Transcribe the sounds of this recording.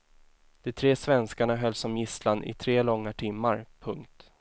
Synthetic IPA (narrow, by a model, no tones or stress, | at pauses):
d̪̥ɛt̪ʰɾeːsvɛnskaɳaɦœlːsɔmjɪslanɪ̰t̪ʰɾeːlɔŋːaʈʰɪmːaɾpʰɵŋkt̪